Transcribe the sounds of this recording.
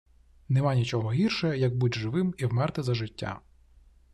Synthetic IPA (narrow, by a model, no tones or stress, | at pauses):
nɛmɑnʲit͡ʃɔɦɔɦʲirʃɔɛjɐɡ̚budʲʒɪʋɪmiwmɛrt̪ɪzɐʒɪtʲːa̰